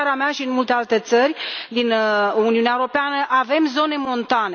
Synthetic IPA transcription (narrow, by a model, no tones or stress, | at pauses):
aɾeameaʃiɨnmult̪ealt̪e̞t̪sərʲd̪inuniuneaewoɾo̞peanəʔave̞mzo̞ne̞mo̞nt̪ane